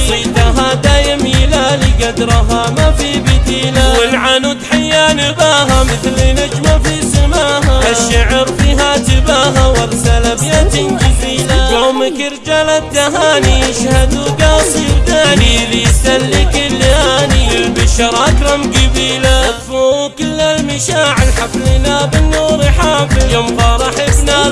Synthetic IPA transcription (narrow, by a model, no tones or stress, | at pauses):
sˤit̪aɦad̪aːjɪmjɪlaːliɡad̪ɾˤɑɦamafibɪd̪iːlawɪlʕanut̪ħajːanɪbaːɦamɪθlinɪd͡ʒmafisɪmaːɦaaʃːaʕɾfiɦat̪ɪbaɦawaɾsalabjat̪ɪnd͡ʒɪziːlajomɪkɪɾd͡ʒalat̪ːaɦaːnijɪʃhad̪uɡasd͡ʒɪbd̪aːnilɪjsalːɪkɪlːaːnilbɪʃɑɾˤʔakɾˤɑmɡɪbiːlaat̪fuːkɪlːalmɪʃaːʕɪlħaflɪnabɪnːuːɾɪħaːfɪjʊmfɑɾˤɑħɪbna